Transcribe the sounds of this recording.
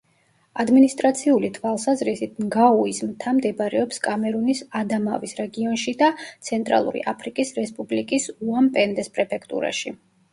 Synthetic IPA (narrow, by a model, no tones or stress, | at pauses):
ad̪minist̪ʼɾat̪sʰiulit̪ʰwalˠsazɾisit̪̚ʰnɡauismt̪ʰamd̪ɛbaɾɛɔpskʼamɛɾunisad̪amavisɾɛɡiɔnʃid̪at̪sʰɛnt̪ʼɾa̰lˠṵɾḭʔapʰɾikʼisɾɛspʼublikʼisuampʼɛnd̪ɛspʼɾɛpʰɛkʰt̪ʼṵɾa̰ʃi